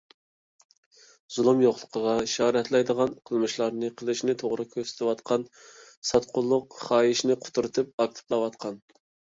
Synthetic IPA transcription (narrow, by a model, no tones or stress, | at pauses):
z̥ulˠumjoχlˠə̥qʰəʁɑʃɑːɾɛt̪ʰlɛjd̪əʁɑnqʰəlˠmɨʃlˠɑɾnɨqʰəlˠɨʃnɪt̪ʰoʁɾɨkʲʰøsɪ̥t̪ɪwɑt̪qʰɑn | sɑt̪qʰʊlˠːʊqχɑːjiʃnɪqʰʊ̥t̪ʰuɾɨt̪ʰɨp̚ɑk̚ʲt̪ʰɨ̥plˠɑwɑt̪qʰɑn